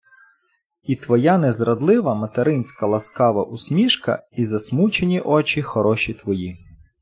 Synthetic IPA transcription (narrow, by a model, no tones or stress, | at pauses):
it̪ʋɔjɑnɛzɾɐd̪lˠɪʋɐmɐt̪eɾɪnʲsʲkɐlˠɐskɑʋɐ̰ʔusʲmʲiʃkɐ̰izɐsmut͡ʃenʲiʔɔt͡ʃʲixɔɾɔʃʲit̪ʋɔji